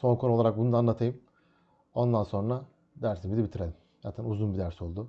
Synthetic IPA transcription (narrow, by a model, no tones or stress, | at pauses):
so̞nŋkʰo̞nuo̞lˠaɾak̚bunud̪anːˠat̪ʰajɯm | o̞nd̪anso̞nɾa | d̪æɾsinbid̪ʲibit̪ʰiɾelʲim | za̰ːt̪ʰænuzunbid̪æɾso̞lˠd̪ʊ